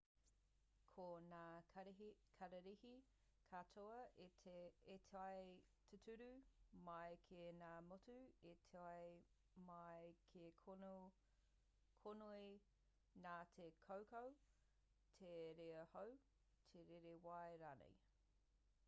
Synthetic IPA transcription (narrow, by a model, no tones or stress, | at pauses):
kʰonaː | kʰɐɾɐɾihi | kʰatʰoɐʔeeetʰeɐjtʰetʰʉɾʉmɐjkʰenaːmotuetʰeaj | mɐjkʰe | kʰonoi | naːtʰekʰowkow | tʰeɾeɐhow | tʰeɾeɾewajɾaːnḛj